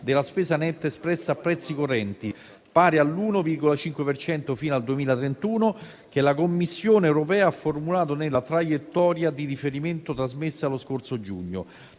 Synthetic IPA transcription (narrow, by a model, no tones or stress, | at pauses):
d̪elaspɛːsanɛt̪ːespɾɛsːaːpːɾɛt̪sːikorːɛnt̪i | paːɾealːuːnovirɡolat͡ʃiŋkwepert͡ʃɛnt̪ofiːnoald̪uemiːlat̪ɾent̪uːno | k̟elakomːisːjoːneɛwɾopɛːaafːormulaːt̪̬onelat̪ɾajet̪ːɔːɾjad̪irifeɾiment̪ot̪ɾazmesːaloskorsod͡ʒṵɲːo̰